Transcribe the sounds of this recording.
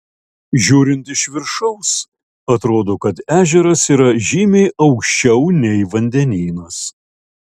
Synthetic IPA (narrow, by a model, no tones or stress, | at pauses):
ʒʲuːɾʲɪnt̪ɪʃʋʲɪɾʃɐʊs | ɐt̪ɾoːd̪oːkɐt̪æːʒʲɛɾɐsiːɾɐʒʲiːmʲeɪʔɐʊkʃʲt͡ʃʲɛʊnʲɛɪʋɐnʲd̪ʲɛnʲiːnɐs